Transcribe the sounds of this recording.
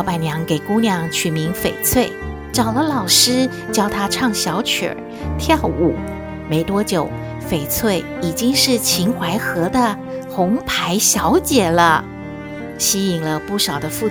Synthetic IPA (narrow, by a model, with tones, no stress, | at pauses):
pa˨˩njɑ˧˥ŋke˨˩ɪku˥njɑ˧˥ŋt͡ɕʰy˨˩mi˧˥ŋfe˨˩ɪt͡sʰwe˥˩ɪ | ʈ͡ʂɑ˨˩ʊlə˦lɑ˨˩ʊʂɻ̩˥ | t͡ɕjɑ˥ʊt̪ʰa˥ʈ͡ʂʰɑ˥˩ŋɕjɑ˧˥ʊt͡ɕʰə̰˨˩ | t̪ʰjɑ˥˩ʊu˨˩ | me˧˥ɪt̪wɔ˥t͡ɕjo˨˩˦ʊ | fe˨˩ɪt͡sʰwe˥˩ɪi˨˩t͡ɕi˥ŋʂɻ̩˥˩t͡ɕʰi˧˥ŋxwa˧˥ɪxɤ˧˥d̪ə˧ | xʊ˧˥ŋpʰa˧˥ɪɕjɑ˧˥ʊt͡ɕjɛ˨˩lə˦ | ɕi˥i˨˩ŋlə˦pu˥˩ʂɑ˨˩ʊd̪ə˦fu˥˩